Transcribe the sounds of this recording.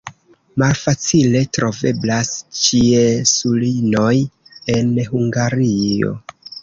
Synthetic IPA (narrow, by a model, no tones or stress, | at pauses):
malfat͡sile̞tɾo̞ve̞blast͡ʃiesulino̞je̞nɦuŋɡaɾio̰